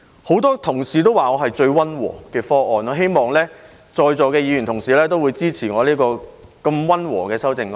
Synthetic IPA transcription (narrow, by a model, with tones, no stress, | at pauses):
ho˨˥wt̪ɔː˥t̪ʰʊ˨˩ŋsiː˨t̪o˥waː˨ŋɔː˨˧ɦɐ˨jt͡ʃɵ˧ɥwɐ˥nwɔ̰ː˨˩kɛː˧fɔː˥ʔɔː˨˧nɔː˨˧ɦe˥jmɔː˨˩ŋlɛː˥ | t͡ʃɔː˧jt͡sɔː˨˧kɛː˧jiː˨˧ɥy˨˩nt̪ʰʊ˨˩ŋsiː˨˧lɛː˥t̪o˥wuː˨˧jt͡siː˥t͡sʰiː˨˩ŋɔː˨˧liː˥kɔː˧kɐ˧mwɐ˥nwɔ̰ː˨˩kɛː˧sɐ˥wt͡sɪ˧ŋ˧